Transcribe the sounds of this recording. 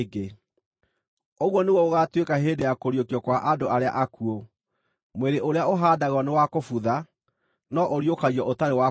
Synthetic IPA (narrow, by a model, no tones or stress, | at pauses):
ɡe | oɣwɔneɣɔoɣatwekaɦeːdejakoɾjokiɔkwaʔadoʔaɾea̰ʔakuo | mweɾeʔoɾeaoɦaːdaɣɔnewakofuða | nɔʔoɾiokaɣiɔʔotaɾewa